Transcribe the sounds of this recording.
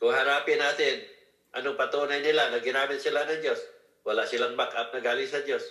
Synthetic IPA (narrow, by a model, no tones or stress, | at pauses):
kʊŋhɐɾaːpɪnaːt̪ɪn | ʔɐnopɐt̪uːnɐjnɪlanɐɡɪnaːmɪt̪̚sɪlanɐŋd͡ʒo̞s | wɐlasɪlaŋbakʔap̚nɐɡaːlɪŋsɐd͡ʒo̞s